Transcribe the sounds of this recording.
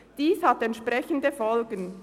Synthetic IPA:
d̥iːshatɛntʃpʁɛçəndəfɔlɡən

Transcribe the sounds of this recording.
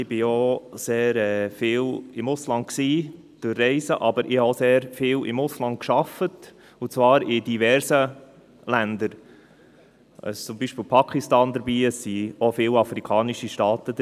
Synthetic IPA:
ɪb̥ɪoseːɾɛːfɪːlɪmʊslɑnt̚ksiː | d̥ʊrːɛɪsəʔɑbəɾʔɪhɑoseːɾfɪːlɪ̰mʊslɑnt̚kʃɑfət | ʊt͡svɑːɾɪdivɛɾsə | lænd̪əɾ | ə̰t͡sʊmbiːʃpɪːlpʰɑkχistɑːnd̪əɾbiːəsːiofɪːlɑfɾikʰɑːniʃiʃtɑːtədə

